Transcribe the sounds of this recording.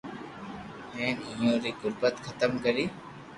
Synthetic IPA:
ɦẽːnɪjõːɾiːɡʊɾbət̪xʰət̪əmkəɾiː

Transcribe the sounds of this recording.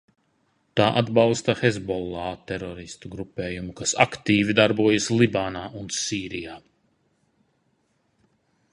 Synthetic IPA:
t̪aːʔad̪balst̪axezbɔlˠːaːt̪ɛɾɔɾist̪uɡɾupʲeːjumukasa̰kt̪iːvid̪aɾbuɔjaslˠibaːnaːunsiːɾijaː

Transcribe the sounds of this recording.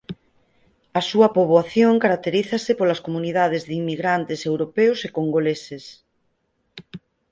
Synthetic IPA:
ɐsuɐpoβwaθjoŋkaɾak̚t̪eɾiθasɪpolɐskomuniðað̞ezðimːiɣɾant̪esewɾopeʊsekoŋɡoleses

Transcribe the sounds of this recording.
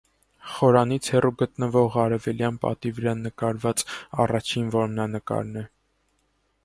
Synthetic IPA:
χɔɾɑnit͡sʰhɛruɡət̪nəvɔʁɑɾɛvɛljɑnpɑ̰t̪ivəɾɑnəkɑɾvɑt͡sɑ̰rɑt͡ʃʰinvɔɾmnɑnəkɑ̰ɾnɛ

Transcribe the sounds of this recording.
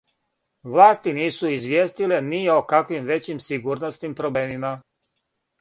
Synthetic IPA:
ʋlˠaːst̪iniːsuizʋʲjeːst̪ile̞nio̞kakʋimʋe̞t͡ɕimsiɡuɾnosnimpɾo̞bleːmima

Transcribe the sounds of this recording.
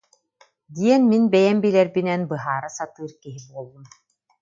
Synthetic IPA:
d̪iɛnminbɛjɛmbilɛɾbinɛnbɯɦaːɾɯsat̪ɯːɾkiɦibuɔlˠːun

